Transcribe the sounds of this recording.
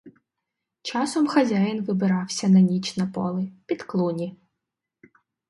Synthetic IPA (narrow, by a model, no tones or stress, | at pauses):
t͡ʃɑsɔmxɐzʲajɪnʋɪbɪɾɑwsʲɐnɐnʲit͡ʃnɐpɔlˠɪpʲid̪klˠunʲi